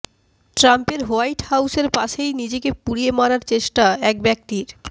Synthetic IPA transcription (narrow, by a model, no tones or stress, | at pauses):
ʈɾampeɾɦoajʈhawseɾpaʃejnid͡ʑekepuɽiemaɾaɾt͡ɕeʃʈaɛk̚bɛk̚ʈiɾ